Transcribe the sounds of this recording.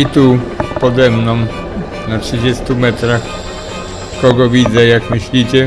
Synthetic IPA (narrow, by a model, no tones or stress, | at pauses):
it̪upɔd̪ɛmnɔ̃m̃ | natʂɘd͡ʑest̪umɛt̪ɾax | kɔɡɔvʲid̪zɛjakmɘɕlʲit͡ɕɛ